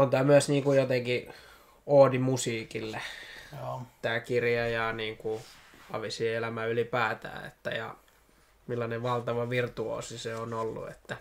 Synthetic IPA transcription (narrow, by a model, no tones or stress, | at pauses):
ont̪æːmyæsniːŋkujot̪eŋki | oːdimusiːkilːe | t̪æːkirjɑjɑniːŋkuɑ̰ʋisielæmæylipæːt̪æ̰ːḛt̪ːæjɑ̰ | milːɑneʋʋɑlt̪ɑʋɑʋirt̪uo̰ːsiseonolːṵḛt̪ːæ